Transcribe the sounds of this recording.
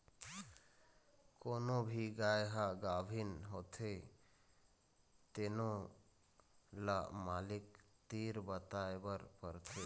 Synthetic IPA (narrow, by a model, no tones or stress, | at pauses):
koːnobʱiɡajɦaɡabʱinɦot̪ʰe | t̪eno | lamalikt̪iɾbət̪aebəɾpəɾt̪ʰe